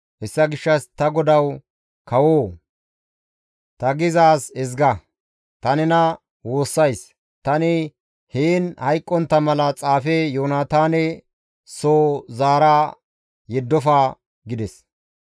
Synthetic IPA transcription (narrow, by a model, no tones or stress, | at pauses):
hɛsːɐɡɪʃːɐst̪ɐɡɔd̪ɐw | kɐwoː | t̪ɐɡɪzaːsɛzɡɐ | t̪ɐnɪnɐ | wo̞ːsːɐjs | t̪ɐnɪ | heːnhɐjkʼːɔnt̪ːɐmɐlɐt͡sʼaːfɛjoːnaːt̪aːnɛ | soːzaːɾaː | jɛd̪ːɔfaː | ɡɪd̪ɛs